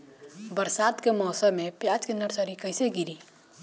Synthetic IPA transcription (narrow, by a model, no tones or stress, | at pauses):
bəɾsaːt̪kemɔːsəmẽpjad͡ʒkenəɾsəɾikəɪseɡiɾi